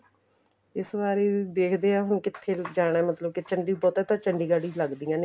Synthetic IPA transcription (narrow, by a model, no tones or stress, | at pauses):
ɪsbaːɾeːd̪eːkʰd̪eːaːɦʊñkɪt̪ʰːeːd͡ʒaːɽ̃ɛːmət̪ləb̚kɪt͡ʃəɳɖiːbɔːt̪ɛːt̪ãːt͡ʃəɳɖiːɡaːɽiːləɡd̪iːãːne